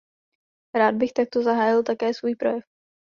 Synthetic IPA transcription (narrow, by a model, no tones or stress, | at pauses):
ɾaːd̪̚bɪxt̪ak̚t̪ozaɦaːjɪlt̪akɛːsvuːjpɾojɛf